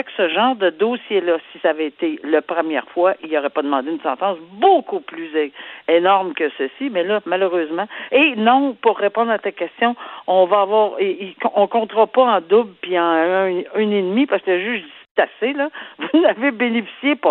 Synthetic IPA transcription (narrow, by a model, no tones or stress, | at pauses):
ɛksəʒɑ̃ːʁd̪əd̪osjelʌsi̥saːvɛet̪elapʁəmjɛ̰ːʁfwaʔilɔʁɛpɔd̪əmɑ̃d̪eynsɑ̃t̪ɑ̃sbokuplyzenɔʁmkʲəsəsimɛlʌmaløʁøːzmɑ̃enɔ̃puʁːepɔ̃d̪ʁat̪akʲɛst̪jɔ̃ɔ̃vaːvwaːʁiikʔɔ̃kɔ̃t̪ʁɔpɔɑ̃d̪ʊbpiɑ̃ɛnenmipaʁskələʒyʒd̪ist̪aselʌvunavebenefi̥sjepɔ